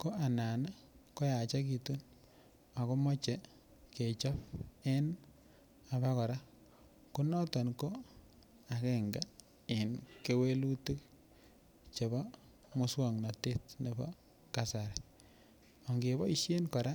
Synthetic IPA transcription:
ko˦a˨na˨na˦ko˦ja˨t͡ʃa˦ki˨tu˦n | a˨ko˦mɔ˦t͡ʃe˨ | ke˨t͡ʃɔ˦pe˦n | a˨ba˦kɔ˨ɾa˦ | ku˦nɔ˦tɔ˨nko˦ | a˨kɛ˦ŋɡa˨ | ɪ˨nke˦we˦lu˦te˦k̚ | t͡ʃe˨βɔ˦ | mʊ˦swɔ˨ŋna˨te˦tne˨bɔ̰˦ | ka˦sa˨ɾɛ˨ | ɔ˨ŋɡe˨bɔ˦i˦ʃje˦nkɔ˨ɾa˦

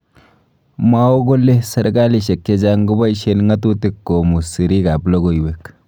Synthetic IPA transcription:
ma˦o˦ɡo˦lːe˦sa˨ɾɡa˦li˨ʃe˨k̚t͡ʃe˦d͡ʒaŋɡʊ˦ba˦iʃe˦nŋa˦tu˦tɪ˦kːo˨mu˨si˨ɾi˦ɡa˨blo˦ɡo˨iwe˦k

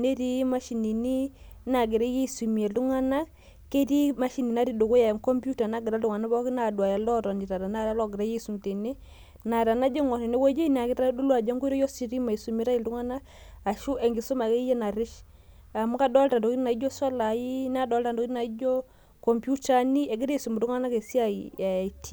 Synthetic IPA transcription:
ne˦ɾi˦ma˦ʃi˨ni˨ni˦na˨ɡɪ˨ɾa˦je˦˨su˨mi˨e˨lu˦ŋa˦na˦ | ke˦ti˦ma˦ʃi˨ni˨na˦ɾi˦do˨ku˦ja˨ŋkɔ˦mpu˦ta˨na˦ɡɪ˨ɾa˦lu˨ŋa˨na˦bɔ˦ki˦na˨dwa˨ja˨lɔ˦ɾɔ˨ndi˨ɾa˨ɾa˨na˦ɾa˦lɔ˦˨ɡɪ˨ɾa˦je˦su˨nte˨ni˦ | na˨ɾa˨na˦d͡ʒe˦ŋɔ˨ne˨nɛ˦wɔ˦d͡ʒɔ˦i˦n˨a˨ki˦ta˦du˦lwa˨d͡ʒa˦ŋɡu˦i˦ɾɔ˦jɔ˦si˨ɾi˦ma˨i˨su˨mi˦ɾa˦i˨ldu˦ŋa˦naː˦˨ | ʃu˦ʔɛ˨ŋɡi˨su˦ma˨ke˦jɛ˦na˨ɾi˦ʃ | a˨mu˦ka˦dɔ˦lta˨ndɔ˨ki˦i˦na˨i˦d͡ʒo˦sɔ˦la˨ji˦n˦a˦dɔ˨˦lta˨ndɔ˨ki˦na˨i˦d͡ʒɔ˦ | kɔ˨mbju˦ta˦ni˦e˨ɡi˦ɾe˦i˨su˨mu˨lu˦ŋa˦na˦ke˨si˦a˨ia˨i˨tʰi˦

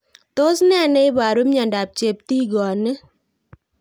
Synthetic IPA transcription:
t̪o˦snɛ˦a˨nɛ˦ɪ˦ba˨ɾu˦mɲa˨nda˨p̚t͡ʃe˨p̚t̪i˦ɡɔ˨ne˦

